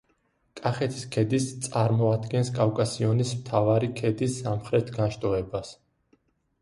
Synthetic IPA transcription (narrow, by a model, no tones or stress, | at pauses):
kʼaχɛt̪ʰi̥skʰɛd̪ist̪sʼaɾmɔad̪ɡɛnskʼafkʼasiɔnismt̪ʰavaɾikʰɛd̪isːamχɾɛt̪ʰɡanʃt̪ʼɔɛbas